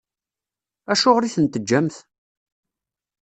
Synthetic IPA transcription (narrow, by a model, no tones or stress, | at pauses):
æʃʊʁɾiθənt̪əd͡ʒːæmθ